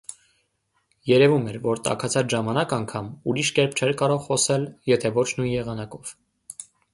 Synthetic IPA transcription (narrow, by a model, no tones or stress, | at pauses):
jɛɾɛvumɛɾvɔɾt̪ɑ̰kʰɑt͡sʰɑt͡sʰʒɑmɑnɑkɑŋkʰɑmuɾiʃkɛɾp̚ʰt͡ʃʰɛɾkɑɾɔʁχɔsɛljɛt̪ʰɛvɔt͡ʃʰnujnjɛʁɑnɑkɔv̥